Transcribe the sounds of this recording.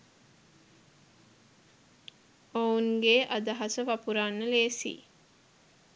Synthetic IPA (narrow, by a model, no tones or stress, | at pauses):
ouŋɡeʔad̪aɦasəʋapuɾanːəleːsḭː